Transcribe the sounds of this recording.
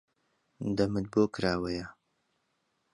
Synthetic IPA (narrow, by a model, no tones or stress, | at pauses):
d̪ɐmɨt̪̚boːkɾaːwɐjɐ